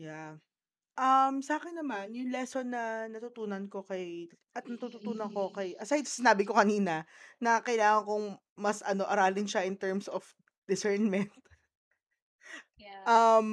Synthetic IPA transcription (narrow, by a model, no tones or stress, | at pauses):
ja | ʔɐmsɐʔaːkɪnːɐmanjʊŋlɛsonːɐnɐt̪ʊt̪uːnɐnko̞kɐj | ʔɐt̪̚nɐt̪ut̪ʊt̪uːnɐnko̞kɐjʔɐsajd̪̚sɪnaːbɪko̞kɐniːnɐnɐkɐjlaːŋɐŋkoŋ | mɐsɐno̞ʔɐɾaːlɪnʃaʔɪnt̪ɛɹmsof | d̪̥ɪsɛɹnmɛnt̪̚ | ʔɐm